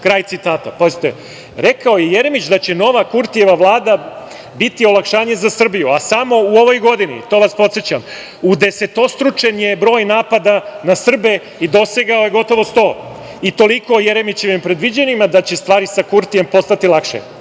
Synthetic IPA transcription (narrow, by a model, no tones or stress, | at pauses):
kɾaːjt̪sit̪aːt̪apozit̪ḛ | ɾe̞kaojeje̞ɾemit͡ɕd̪at͡ɕe̞no̞ʋakuɾt̪ije̞ʋaʋlˠaːd̪a | bit̪io̞lˠakʃaːɲe̞zasr̩bijuasamo̞uo̞ʋo̞jɡo̞d̪inḭt̪o̞ːʋaspo̞t̪sjet͡ɕam | ud̪ese̞t̪o̞st̪ɾut͡ʂe̞njebɾo̞ːjnaːpad̪anasr̩be̞ | id̪o̞seɡao̞jeɡo̞t̪o̞ʋo̞st̪o̞ː | it̪o̞liko̞jeɾe̞mit͡ɕe̞ʋimpɾe̞d̪ʋid͡ʑenimad̪at͡ɕe̞st̪ʋaːɾisakuɾt̪ije̞mpo̞st̪at̪ilˠakʃḛ